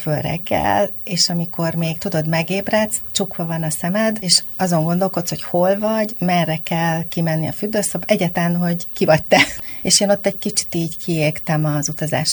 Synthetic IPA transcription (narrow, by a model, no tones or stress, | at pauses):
følrɛ̰ɡːɛ̰leːʃɒmiko̞rmeːɡt̪ud̪o̞d̪mɛɡeːbrɛt̪st͡ʃukʋɒvɒnɒsɛmɛd̪eːʃɒzo̞ŋɡo̞nd̪o̞lko̞t̪sho̞cho̞lvɒɟmɛrːɛkɛlkimɛnːiɒ̰fyd̪ːøːsobɛɟaːt̪lɛnɦo̞ɟkivɒɟ̚t̪ɛeːʃeːnot̪ːɛɟ̚kit͡ʃi̥t̪iːɟkʰieːrt̪ɛmɒzut̪ɒza̰ːʃ